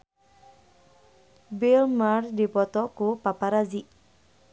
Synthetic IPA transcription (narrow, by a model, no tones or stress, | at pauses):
bilmardipɔt̪ɔkupapaɾaziʔ